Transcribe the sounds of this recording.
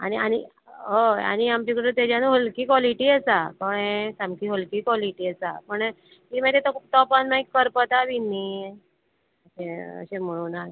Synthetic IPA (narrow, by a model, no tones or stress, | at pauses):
aniañi | ɦoa̰ñiamt͡ɕikəɽut̪ed͡ʑanuɦolkiːkʋɔliʈiasakɔɳesamkiːɦolkiːkʋɔliʈiːəsa̰pəɳ | ɦim̤at̪et̪ɔt̪ɔpanmaikːəɾpət̪aʋinːi | əɕẽə̰ɕem̤əɭunal